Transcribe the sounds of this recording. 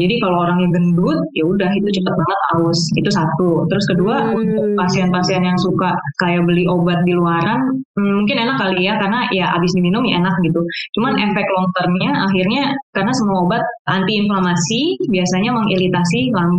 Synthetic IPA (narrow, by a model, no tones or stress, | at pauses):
d͡ʒadikalooɾaŋɲaɡəndʊt̪̚jaudaɦit̪ut͡ʃəpət̪̚baŋət̪a̰ʊsit̪usat̪ut̪əɾʊskəduaunt̪ʊk̚pasianpasianjaŋsukakajabəliobat̪̚diluaɾan̩ː | uŋkɪnenakːalijakarnajaʔa̰bɪsdiminʊmjaenak̚ɡit̪ut͡ʃumanʔɛfɛk̚lɔnt̪ərnɲaʔaɦirɲakarnasəmuaobat̪̚a̰nt̪iːnflamasibiasaɲaməŋilit̪asilaŋ